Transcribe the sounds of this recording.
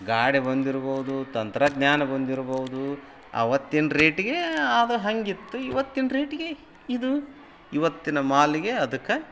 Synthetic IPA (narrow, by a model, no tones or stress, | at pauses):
ɡaːɽebɐnd̪iɾuboʋud̪ut̪ɐnt̪ɾɐɡɲaːnɐbɐnd̪iɾɐboʋud̪u | ɐ̰ʋɐt̪ːinɾeːʈiɡeaːd̪ɐɦɐŋɡit̪ːuiʋɐt̪ːinɐɾeːʈiɡe | id̪u | iʋɐt̪ːinɐmaːliɡe̞ɐd̪ɐkːe